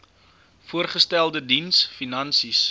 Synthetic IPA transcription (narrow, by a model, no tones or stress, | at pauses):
fuərχəstælˠdədinsfinɐnsis